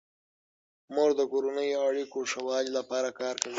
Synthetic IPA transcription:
moʐd̪əkoɾonəjoaɽikoʂawɑlilapɑɾakɑːɾkawi

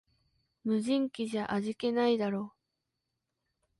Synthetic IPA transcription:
mɯ̟ʑĩŋkʲiʑaʔaʑike̞naid̪aɾo̞ː

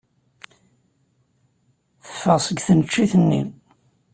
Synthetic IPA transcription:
θə̥fːəʁsˤəɡθənət͡ʃːiθənːḭ

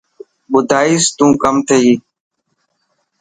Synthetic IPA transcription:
ɓʊd̪ʱaːiːst̪ũːkəmt̪ʰəɦiː

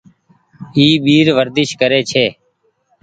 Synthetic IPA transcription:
iːɓiːɾʋəɾd̪ɪʃkəɾeːt͡ʃʰeː

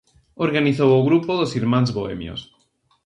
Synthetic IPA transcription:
oɾɣaniθowoɣɾupoðosiɾmãnzβoḛmjo̰s

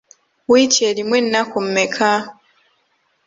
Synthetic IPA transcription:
witɛlimwɛn̩nakum̩mɛkʰa

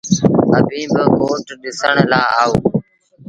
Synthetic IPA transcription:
əbʱĩːbəkoːʈɗɪsəɳlaːaːoː

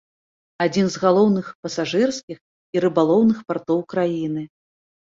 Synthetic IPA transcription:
ad͡zʲinzɣalˠɔwnɨxpɐsaʐɨrskʲix | iɾɨbalˠɔwnɨxpart̪ɔwkɾajinɨ

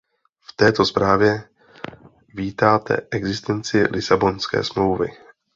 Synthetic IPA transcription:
ft̪ɛːt̪o̞spɾaːvjɛ | viːt̪aːt̪ʰɛ̰ʔɛɡzɪst̪ɛnt͡sɪlʔɪsabo̞nskɛ̰ːsmlowvɪ̰

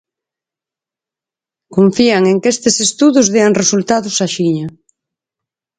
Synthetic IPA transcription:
koɱfiaŋeŋkest̪ɪsest̪uðʊzðeaŋresult̪aðʊsaʃiɲa

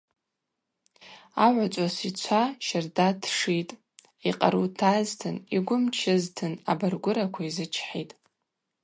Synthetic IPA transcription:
aʕʷat͡sʷʼasit͡ɕʷʰaʃɪrdatʰʂitʼ | iqʼa̰ɾutʰaztʰɨniɡʷʊmt͡ʃʰɪztʰɨnabarɡʷʊɾakʷʰaizɨt͡ʃʰħitʼ

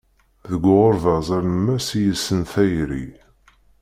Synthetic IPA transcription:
ðəɡʷːʁoɾðɑzˤəɾnəmːæsijəsːənθæjɾḭ

